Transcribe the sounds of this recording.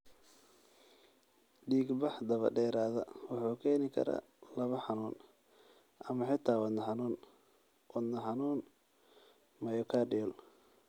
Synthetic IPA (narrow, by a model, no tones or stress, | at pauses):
ɖiːɡbɑħd̪ɐβɐ̰ɖɛːɾaːðɐwɑħuːkʰɛːnɪkʰɐ̰ɾɐ̰ | lɐβɐħɑnuːn | ʔɐmɐħɪt̪ʰaːwɐd̪nɐħɑnuːn | wɐd̪nɐħɑnuːn | mɐjɔkʰaːɖɪjɔl